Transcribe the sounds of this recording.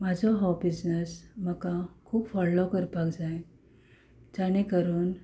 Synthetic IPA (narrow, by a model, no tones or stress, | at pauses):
mad͡zʱɔɦɔwbid͡znəsməkãkʰuːpfɔllokəɾpakd͡zaje | d͡ʑaɽ̃ekəɾuːn